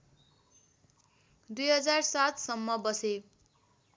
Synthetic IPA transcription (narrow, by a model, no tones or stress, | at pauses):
d̪ujɦʌd͡zarsat̪sʌmːʌbʌse